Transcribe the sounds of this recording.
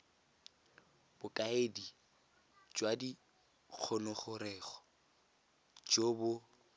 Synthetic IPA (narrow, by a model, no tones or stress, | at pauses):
b̥ʊkʼaedi | d͡ʒwadi | k͡xʰɔnɔχʊɾɛːχɔ̥ | d͡ʒobʊ